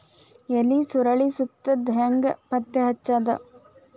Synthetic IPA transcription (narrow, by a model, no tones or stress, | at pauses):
elisuɾɐɭisut̪ːɐd̪ʱŋɡɐpɐt̪ːjɐɦɐt͡ʃːad̪ɐ̰